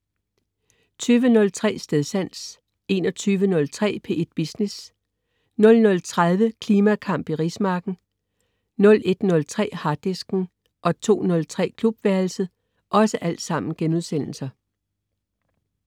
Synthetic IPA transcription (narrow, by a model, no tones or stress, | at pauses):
t͡sʰyːʋənɔ̽lt͡sʰʁɛ̰ːsd̥eðˠsæn̰s | e̝̰ːnɒ̽t͡sʰyːʋənɔ̽lt͡sʰʁɛ̰ːpʰe̝ʔed̥̚b̥isnes | nɔ̽lnɔ̽lt͡sʰʁað̞ˠʋəkʰliːmækʰɑ̈m̰b̥iʁismɑ̈ːɡ̥n̩ | nɔ̽le̝d̥nɔ̽lt͡sʰʁɛ̰ːhɑ̈d̥esɡ̥n̩ | ʔɒ̽t͡sʰo̝̰ːnɔ̽lt͡sʰʁɛ̰ːkʰlub̥ʋæɐl̩səð̩ˠ | ʔɒ̽səʔæl̰d̥sɑ̈m̰n̩ɡ̥enuðˠsen̰l̩sɐ